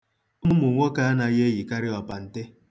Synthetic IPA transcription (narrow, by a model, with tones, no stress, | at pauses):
m˦ʊ˦mʊ˨ŋʷɔ˦ka˦a˦na˨˦ɣe˦ɣi˨ka˦ɾɪ˦ɔ˨pa˨n̩˨te˦